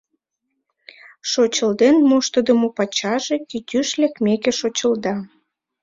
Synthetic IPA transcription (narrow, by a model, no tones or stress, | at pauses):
ʃot͡ɕəld̪enmoʃt̪əd̪əmopɑt͡ɕɑʒekit̪ʲyʃlekmekeʃot͡ɕəld̪ɑ